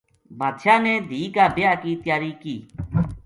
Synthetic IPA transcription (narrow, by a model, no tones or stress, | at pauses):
bʱaːd̪ʃaːnẽːd̪ʱiːkaːbɪjaːkiːt̪jaːɾiːkiː